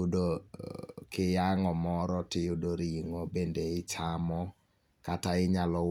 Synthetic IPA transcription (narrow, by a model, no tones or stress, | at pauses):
do | kɪjaŋɔmɔɾɔtɪjʊdoɾiŋobendeɪt͡ʃamɔ | kataɪɲalɔ